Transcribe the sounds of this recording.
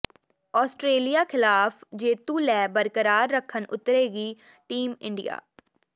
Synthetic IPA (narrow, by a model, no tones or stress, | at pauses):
ɔːsʈɾeːlijaːkʰɪlaːfd͡ʒeːt̪ũːlɛːbəɾkəɾaːɾːəkʰːənʊt̪ɾeːɡiː | ʈiːmɪ̰̃ɳɖɪja̰ː